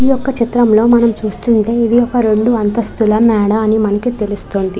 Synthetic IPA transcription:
ijɔkːɐt͡ʃit̪ɾɐmlo̞ːmɐnɐmt͡ʃuːst̪uɳʈe̞ːid̪ijɔkːɐɾe̞ɳɖuɐnt̪ɐst̪ulɐmɛːɽɐːnimɐnɐkit̪e̞lust̪oːnd̪i

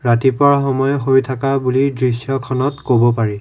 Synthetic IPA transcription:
ɹatipɔɹaxɔmɔjɦojtʰakabulidɹisjɔkʰɔnɔtkobɔpaɹi

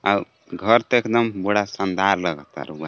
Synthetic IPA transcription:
a | ɡʱəɾt̪ekd̪əmbəɽasənd̪ʱaɾləɡət̪a̰ɾuɡa

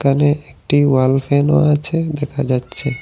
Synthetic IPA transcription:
kəneekʈiʋalfeno̰ãt͡ʃʰed̪ekʰad͡ʒad͡ʒt͡ʃʰe

